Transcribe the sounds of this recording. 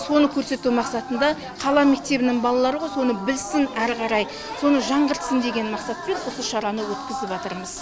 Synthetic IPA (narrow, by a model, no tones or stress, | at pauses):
so̞nəkʲʰɵɾse̞t̪umɑqsɑt̪ənd̪ɑ | qʰɑlˠɑme̞k̚t̪e̞bɪnɪŋbɑlˠɑlˠɑɾəʁojso̞nəbɪlsɪnæɾqɑɾɑj | so̞nəʒɑɴʁəɾt̪sənd̪e̞ɡʲe̞nmɑqsɑt̪pʲenosəʃɑɾɑnəwɵt̪kʲɪzɪpʒɑt̪əɾməz̥